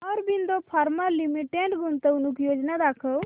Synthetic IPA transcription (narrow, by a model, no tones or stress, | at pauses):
ɔɾbind̪ɔpʰaɾmalːimiʈeɳɖɡunt̪əunukjod͡ʒnad̪akʰəw